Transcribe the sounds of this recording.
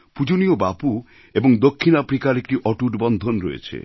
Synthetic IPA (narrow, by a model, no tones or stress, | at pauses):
pud͡ʑoniobapu | eboŋd̪okʰːinapɾikaɾek̚ʈiʔɔʈuʈbɔnd̪ʱonɾɔḛt͡ɕʰḛ